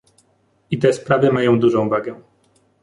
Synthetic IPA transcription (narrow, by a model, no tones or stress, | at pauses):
it̪ɛspɾavɘmajɔ̃w̃d̪uʐɔ̃w̃vaɡɛ